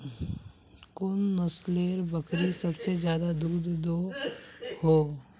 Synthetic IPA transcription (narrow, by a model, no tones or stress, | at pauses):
kʊnːəsleːɾbəkɾisɐbsed͡ʒjaːd̪ad̪uːd̪ːo | hoː